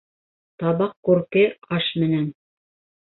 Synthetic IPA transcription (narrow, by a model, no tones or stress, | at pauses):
t̪ɑβɑqkʉɾkɘqɑʃmɘ̆næn